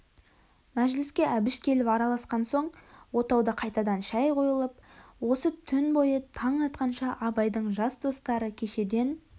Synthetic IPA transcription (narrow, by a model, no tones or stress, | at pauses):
mæʒlɪskʲe̞ʔæbɪʃkʲʰe̞lɪpɑɾɑlˠɑsqɑnso̞ɴwo̞t̪ɑwd̪əqʰɑjt̪ɑd̪ɑnʃæjqʰo̞jəlˠəp̚wo̞sət̪ʰʏnbo̞jət̪ʰɑɴɑt̪̚qɑnʃɑʔɑbɑjd̪əɴʒɑsd̪o̞st̪ɑɾəkʲʰe̞ʃe̞d̪e̞n